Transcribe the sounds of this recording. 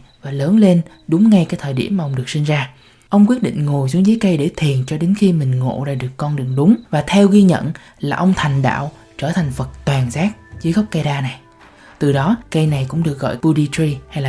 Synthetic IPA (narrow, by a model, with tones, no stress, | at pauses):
vaː˨˩ləː˨˦nle˧n | ɗʊ˨˦ŋ͡mŋa˧jkaː˨˦jt̪ʰəː˨˩jɗḭ˧˩əmː˨ʔə˧wŋ͡mɗɨ˨˩əksï˧ŋ̟zaː˧ | ʔə˧wŋ͡mk̬wi˦˥ət̚ɗḭ˧˨ŋ̟ŋo˨˩jzu˨˦zəː˨˦jkə˧jɗe˧˩t̪ʰi˨˩ənt͡ɕɔ˧ɗe˨˦nxi˧mï˨˩ŋ̟ŋo̰˧˨ɗa̰ː˧˩ɗɨ˨˩əkːɔ˧nɗɨ˨˩əŋɗʊ˨˦ŋ͡mvaː˨˩t̪ʰɛ˧wɣi˧ɲə̰˧˨n | laː˨˩ʔə˧wŋ͡mt̪ʰa˨˩ŋ̟ɗa̰ː˧˨w | t͡ɕəː˧˩t̪ʰa˨˩ŋ̟və˨˩t̚t̪waː˨˩ŋzaː˦˥k̚zɨ˨˦jɣə˦˥wk͡p̚ka˧jɗaː˧na˨˩j | t̪ɨ˨˩ɗɔ˨˦kə˧jna˨˩jkʊ̰˧˥ŋ͡mɗɨ˨˩ək̚ɣɔ̰˧˨jpu˧ɗi˧ti˧ha˧jlaː˨